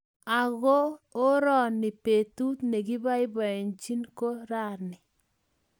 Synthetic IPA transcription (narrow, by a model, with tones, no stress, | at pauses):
a˨ɣo˦o˦ɾɔ˦˨nɪ˨pe˨t̪u˦t̪ne˨ɡi˦ba˦ɪ˦bɔ˨ɛ˨nt͡ʃi˦nko˦ɾa˦˨ɾnɪ˨